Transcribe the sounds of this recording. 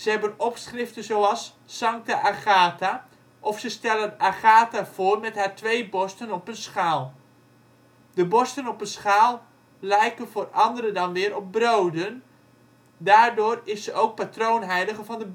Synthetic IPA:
z̥əɦɛbənɔpsχrɪftənzowɑsː | ɑŋk̚taʔaχaːta | ʔɔfsəstɛlˠənaχaːtav̥oːrmɛtɦaːɹtʋejbɔstənɔpənsχaːlˠ | dəbɔstənɔpənsχaːlˠ | lɛjkəvoːrɑndəɾədɑnʋɪːɾɔp̚browdən | daːrdʊːrɪsəʔowk̚patrownɦɛjdəɣəvɑndə

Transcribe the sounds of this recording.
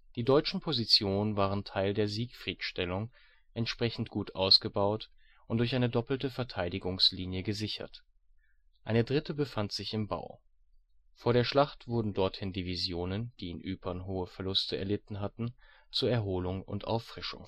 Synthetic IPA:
d̥iːdɔʏt͡ʃn̩pʰozit͡sjoːnənvaːʁ̞əntʰaɪldeːɐziːkfʁ̥iːtʃtɛlʊŋ | ʔɛntʃpʁ̥ɛçn̩tɡ̥uːtʔaʊsɡ̥əbaʊt | ʔʊntd̥ʊɐçʔaɪnədɔpl̩təfɛɐtʰaɪdɪɡʊŋsliːnjəɡəzɪçɐ̰t | ʔaɪnədʁɪtəbəfantz̥ɪçɪmba̰ʊ | foːɐɾeːɐʃlaχtv̥ʊɐdn̩dɔɐthɪndivizjoːnənd̥iːɪnʔyːpʰɐnɦoːəfɛɐlʊstʰəɛ̰ɐlɪtn̩ɦatn̩ | t͡suːɐɛɐɦoːlʊŋʊ̰ntʔa̰ʊfʁ̥ɪʃʊ̰ŋ

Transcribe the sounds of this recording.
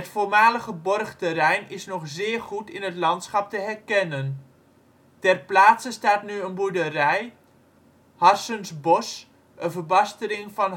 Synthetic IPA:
ətfoːɹmaːləχəbɔrχtərɛjnɪsnɔχzɪːrχutɪnɦətlɑntsχɑp̚təɦɛrkɛnən | tɛrplaːtsəstaːtnyənbudərɛj | hɑrsənsbɔs | ʔənvərbɑstəɾɪŋfɑn

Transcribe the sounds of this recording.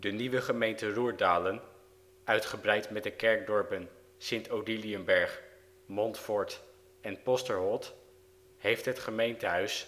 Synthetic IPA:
dəniʋəχəmejntəruːɹdaːlən | œɥtχəbrɛjtmɛt̚dəkɛɹɡ̚dɔɹpən | sɪntowdiliəmbɛɹχ | mɔntfɔɹt | ɛnpɔstəɹɦɔt | ɦejftɦətχəmejntəɦœɥs

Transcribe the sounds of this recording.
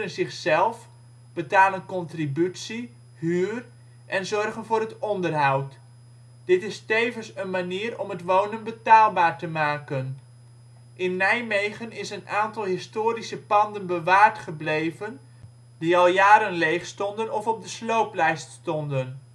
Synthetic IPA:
ənzɪχsɛlˠf | b̥ətaːlənkɔntribytsi | ɦyːr | ʔɛnzɔrχənvʊːrɾɦətɔndərɦɑwt | d̥ɪtɪstejvənsənmaniːɾɔmɦətʋownənbətaːlˠbaːɹtəmaːkən | ʔɪnːɛjmejχənɪsənaːntɑlˠɦɪstoːɾisəpɑndənbəʋaːɹtχəblejvən | diɑlˠjaːɾənlejχstɔndənɔfɔb̚dəslowplɛjststɔndən

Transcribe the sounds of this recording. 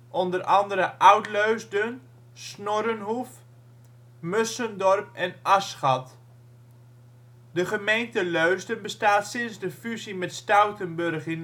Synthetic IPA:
ʔɔndərʔɑndəɾəʔawtløɥzdən | snɔɾənɦuf | møsəndɔrpɛnʔɑsχɑt | dəχəmejntəløɥzdənbəstaːtsɪnzdəfyzimɛtstawtənbørχɪn

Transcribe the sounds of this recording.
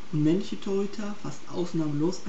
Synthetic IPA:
ʊntmɛnlɪçətʰɔɪtʰafastʔa̰ʊsnaːməloːs

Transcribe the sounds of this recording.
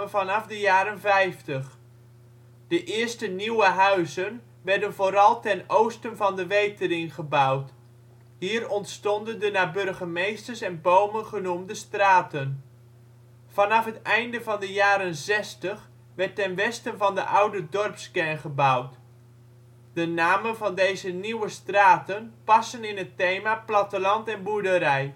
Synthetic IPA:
əvɑnɑfdəjaːɾənvɛjftəχ | d̥əʔɪərstəniwəɦœɥzən | ʋɛɹdənvoːɾɑlˠtɛnowstənvɑndəʋejtərɪŋχəbʌwt | ɦiːrɔntstɔndəndənaːbɵrχəmejstərsɛnbowmənχənumdəstraːtən | fɑnɑfɦətɛjndəvɑndəjaːɾənzɛstəχ | ʋɛrtːɛnʋɛstənvɑndəʔawdədɔrpskɛnχəbawt | d̥ənaːmənvɑndejzəniwəstraːtənpɑsənɪnɦətejmaːplɑtəlɑntɛnbudəɾɛj

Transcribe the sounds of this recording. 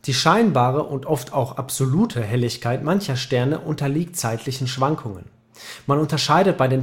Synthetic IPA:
d̥iːʃaɪnbaːʁ̞əʔʊntʔɔftʰaʊxʔapz̥oluːtʰəɦɛlɪçkʰaɪtmançɐʃtɛɐnəʔʊntɐliːk̚tt͡saɪtʰlɪçn̩ʃv̥aŋkʰʊŋə̰n | manʊntɐʃaɪdət̚b̥aɪdeːn

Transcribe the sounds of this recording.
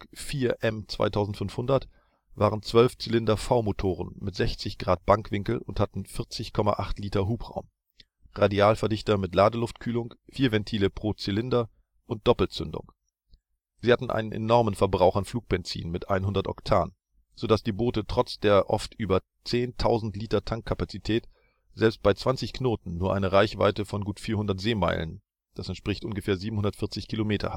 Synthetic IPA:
fiːɐʔɛmt͡sv̥a̰ɪtʰaʊzn̩tfʏnfhʊndɐt | v̥aːʁənt͡sv̥œlft͡silɪndɐfaʊmotʰoːʁə̰nmɪtz̥ɛçt͡sɪçɡ̥ʁaːt̚b̥aŋkv̥ɪŋkl̩ʊnthatn̩fɪɐt͡sɪçkʰɔma̰ʔaχtliːtɐɦuːpʁ̥a̰ʊm | ʁadiaːlfɛɐdɪçtɐmɪtlaːdəlʊftkʰyːlʊŋfiːɐvɛntʰiːləpʁ̥oːt͡silɪndɐ | ʔʊnt̚d̥ɔpl̩t͡sʏndʊ̰ŋ | z̥iːhatn̩ʔa̰ɪnənʔḛnɔʁmənfɛɐbʁaʊxanfl̥uːk̚b̥ɛnt͡sḭːnmɪtʔa̰ɪnɦʊndɐtʔɔ̰ktʰaːn | z̥odasd̥iːboːtətʁ̥ɔt͡sd̥eːɐʔɔ̰ftʔyːbɐ | t͡seːntʰaʊzn̩tliːtɐtʰaŋkʰːapat͡sitʰɛːt | z̥ɛlpst̚b̥aɪt͡sv̥ant͡sɪçknoːtn̩nuːɐʔaɪnəʁaɪçv̥a̰ɪtəfɔnɡuːtfiːɐhʊndɐtz̥eːma̰ɪlə̰n | d̥asɛntʃpʁ̥ɪçtʔʊnɡəfɛːɐziːbm̩hʊndɐtfɪɐt͡sɪçkʰilomeːtʰɐ̰ha

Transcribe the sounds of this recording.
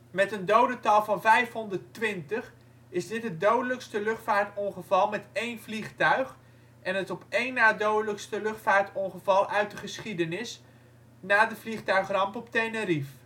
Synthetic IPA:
mɛtəndowdətɑlˠvɑnvɛjfɦɔndərtʋɪntəχ | ɪzdɪtɦədowdələkstəlʏχtfaːɹtɔnχəvɑlˠmɛtejnvliχtœɥχ | ʔɛnətɔpejnːaːdowdələkstəlʏχtfaːɹtɔnχəvɑlˠœɥt̚dəχəsχidənɪs | naːdəvliχtœɥχrɑmpɔptejnəɾif

